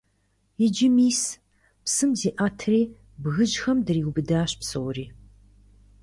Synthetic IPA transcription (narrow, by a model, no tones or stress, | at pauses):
ɪd͡ʒɪmiːs | psɨmziːʔaːtʰriː | bɣɨʒxɐmdɨriːɡʊbɨdaːɕpsɨwriː